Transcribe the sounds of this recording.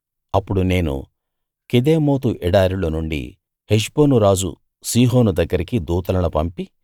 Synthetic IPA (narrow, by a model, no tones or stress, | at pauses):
ɐpːuɽune̞ːnṵ | ked̪eːmo̞ːt̪uʔɛɽaːɾiloːnuɳɖḭ | heʃbo̞ːnuɾaːd͡ʒṵ | siːɦo̞ːnud̪ɐɡːɐɾikid̪uːt̪ɐlɐnupɐmpi